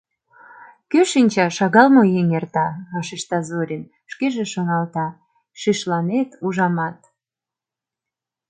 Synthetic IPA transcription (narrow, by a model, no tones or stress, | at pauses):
køʃinʲt͡ɕɑʃɑɣɑlmojenert̪ɑɑʃiʃt̪ɑzoɾʲin | ʃkeʒeʃonɑlt̪ɑ | ʃiʃlɑnet̪uʒɑmɑt̪